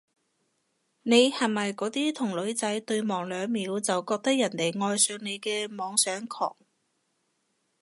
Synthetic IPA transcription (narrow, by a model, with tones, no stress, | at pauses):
ne˨˧jhɐ˨˩mɐ˨jkɔː˨˥t̪iː˥t̪ʰʊ˨˩ŋlɵ˨˥ɥt͡sɐ˨˥jt̪ɵ˧ɥmɔː˨˩ŋlœː˨˧ŋmiː˨˥wt͡sɐ˨wkɔː˧k̚t̪ɐ˥k̚jɐ˨˩nt̪e˨˩jŋɔː˧jsœː˨˧ŋne˨˧jkɛː˧mɔː˨˧ŋsœː˨˥ŋkʰɔ̰ː˨˩ŋ